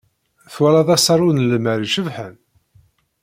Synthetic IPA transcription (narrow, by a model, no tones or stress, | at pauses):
θwælɑðˤɑsˤɑɾˤunlməɾiʃəvħən